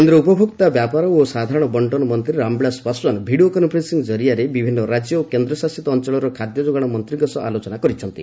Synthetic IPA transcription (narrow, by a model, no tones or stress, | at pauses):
kend̪ɾɔupɔbʱukt̪abjapaɾɔosad̪ʱaɾɔɽ̃ɔbɔɳʈɔnɔmɔnt̪ɾiɾambɭaspasɔnbʱiɽiokɔnpɾesiŋɡd͡ʒɔɾijaɾebibʱinːɔɾad͡ʒjɔokend̪ɾɔsasit̪ɔːnt͡ʃɔɭɔɾɔkʰad̪jɔd͡ʒoɡaɽ̃ɔmɔnt̪ɾiɡɔsɔʔa̰lot͡ʃɔnakɔɾit͡ʃʰɔnt̪ḭ